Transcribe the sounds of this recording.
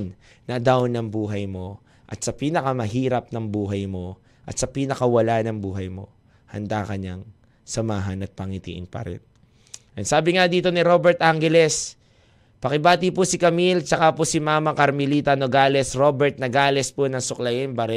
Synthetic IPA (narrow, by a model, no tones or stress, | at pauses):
n | nɐd̪awnɐŋbuːɦɐjmo̞ | ʔɐ̰t̪sɐpiːnɐkɐmɐɦiːɾɐp̚nɐŋbuːɦɐjmo̞ | ʔɐt̪̚sɐpiːnɐkɐwɐlanɐŋbuːɦɐjmo̞̰ | hɐ̰nd̪akɐɲaŋ | sɐmaːɦɐnɐt̪̚pɐŋit̪ḭːʔɪ̰npɐ̰ɾɪ̰n | ʔɐnsaːbɪŋad̪iːt̪o̞niɾo̞bɛɹt̪ʔaŋɡɛlɛs | pɐkɪbaːt̪ipʊsɪkɐmilt͡ʃɐkaposɪmaːmɐkɐɾmɪliːt̪ɐnoɡaːlɛsɾo̞bɛɹt̪̚nɐɡaːlɛsponɐŋsʊklɐjɪnbɐɾɛ